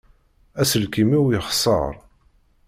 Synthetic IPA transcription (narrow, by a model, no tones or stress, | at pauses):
æsəlkimiwjəχsˤə̰ɾˤ